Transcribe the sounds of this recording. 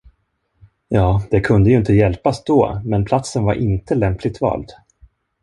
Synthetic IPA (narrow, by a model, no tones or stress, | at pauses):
jɑːd̪̥ɛkʰɵnd̪əjɵɪnt̪əjɛlpasd̪ɔ̰ːmɛnpʰlat̪sənvaɾʔɪnt̪əlɛmplɪɡ̚t̪vɑ̰ːld̪